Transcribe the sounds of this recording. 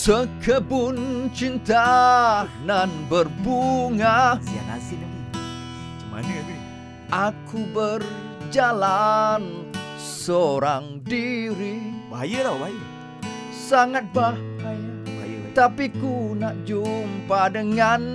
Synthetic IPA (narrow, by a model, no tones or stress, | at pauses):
səkʰəbʊnt͡ʃint̪a | nanbərbuŋasia̰na̰sɪdai | t͡ʃəma̰nə | ʔakʰubər | d͡ʒalan | soɾaŋdiɾibajəɾabajə | saŋat̪̚bakajbajt̪apikunaʔd͡ʒumpadəŋan